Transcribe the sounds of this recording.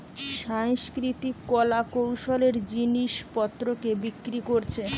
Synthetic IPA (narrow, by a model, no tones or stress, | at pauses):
ʃaŋskɾit̪ikːɔlakowʃoleɾd͡ʑiniʃpɔt̪ːɾokebikːɾikoɾt͡ɕʰe